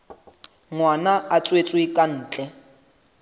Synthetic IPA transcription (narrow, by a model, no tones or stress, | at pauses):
ŋwanaat͡sʼwet͡sʼwikʼan̩ːt͡ɬʼɛ